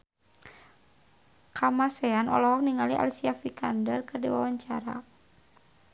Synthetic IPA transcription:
kamasɛanʔɔ̰lɔɦɔkniŋaliʔa̰lisiafikandərkɨrdiwawaɲt͡ʃaɾa̰

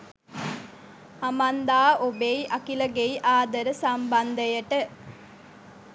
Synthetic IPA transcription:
ɐmɐnd̪aːʔobeiʔɐkilɐɡeiʔaːd̪ɐɾəsɐmbɐnd̪ɐjɐʈə

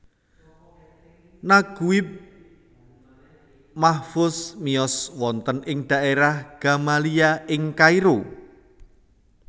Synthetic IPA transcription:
naɡ̥uɪp̚ | mahfʊsmiɔswɔnt̪ənɪŋɖ̥a̤ʔeɾahɡ̥a̤maliaɪŋkaiɾo

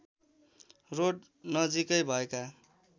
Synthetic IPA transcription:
roɖ | nʌd͡zikʌjbʱʌeka

